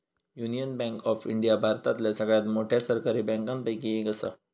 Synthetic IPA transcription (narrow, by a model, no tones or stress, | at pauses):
junijənbɛ̃ŋkɔfiɳɖijabʱaɾt̪at̪ljasəɡɭjat̪moʈʰjasəɾkaɾibɛ̃ŋkãnpajkiekəsa̰